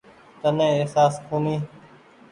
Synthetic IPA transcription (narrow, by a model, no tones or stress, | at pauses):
t̪ənẽːesaːskoːmiː